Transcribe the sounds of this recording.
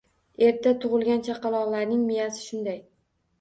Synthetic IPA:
e̞ɾʰat̪ʰʊʁɨlɡʲant͡ʃʰaqɑlˠɒʁlaɾnɪŋmɪjasɪ̥ʃʊnd̪aj

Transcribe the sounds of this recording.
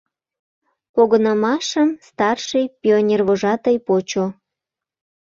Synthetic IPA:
poɣɤnəmɑʃəmst̪ɑrʃəjpʲionʲerβoʒɑt̪əjpot͡ɕo

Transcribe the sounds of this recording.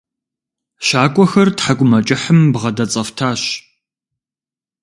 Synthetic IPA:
ʃaːkʷʼɔxɐrtħakʷʼʊmɐt͡ʃʼɪħəmbʁɐdɐt͡sʼɐftʰaːɕ

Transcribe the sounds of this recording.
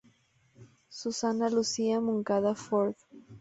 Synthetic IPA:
susanalusiamũŋkaðafoɾð

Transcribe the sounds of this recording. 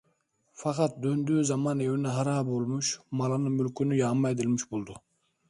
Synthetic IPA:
fɑqɑt̪̚d̪ønd̪yːzɑmɑne̞winɛɦɑɾɑːbolˠmʊʃmɑlˠɑnɯmylkʲynyjɑːmːɑed̪ilʲmiʃbolˠd̪ʊ

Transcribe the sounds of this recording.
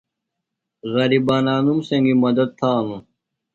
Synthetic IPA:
ɣɐɾibaːnaːnumsɐ̃ŋɡimɐd̪ɐd̪̚t̪ʰaːnũ

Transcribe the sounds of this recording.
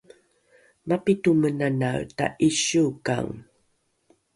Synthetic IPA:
mapitumənanaɭta̰ʔiɕuka̰ŋ

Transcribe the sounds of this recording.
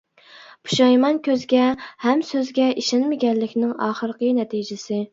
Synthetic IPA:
pʰu̥ʃɑjmɑnkʲʰøzɡʲɛhɛmsøzɡʲɛʔiʃɛnmɪɡʲɛnlɪkʲnɪŋɑːχəɾəqənɛt̪ʰid͡ʒɪsɪ

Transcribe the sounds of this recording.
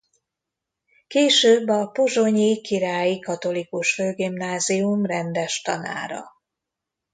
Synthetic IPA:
keːʃøːbːɒpoʒo̞ɲikiɾaːjikɒt̪o̞likuʃføːɡimnaːziumrɛnd̪ɛʃt̪ɒna̰ːɾɒ̰

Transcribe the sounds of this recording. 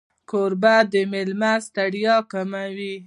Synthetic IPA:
koɾbad̪əmelmast̪aɽjɑkamawi

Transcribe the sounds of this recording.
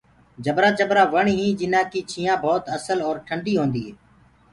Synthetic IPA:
d͡ʒəbɾaːt͡ʃəbɾaːʋəɳɦĩːd͡ʒɪnãːkiːt͡ʃʰiːãːbʱɔːt̪əsəlɔːɾʈʰəɳɖiːɦõːnd̪iːɦeː

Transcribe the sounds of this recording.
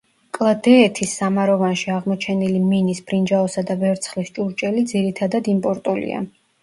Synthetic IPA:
kʼlˠad̪ɛːt̪ʰisːamaɾɔvanʃiaʁmɔt͡ʃʰɛniliminisbɾind͡ʒaɔsad̪avɛɾt̪sʰχlist͡ʃʼuɾt͡ʃʼɛlid̪ziɾit̪ʰad̪ad̪impʼɔɾt̪ʼɔlḭa̰

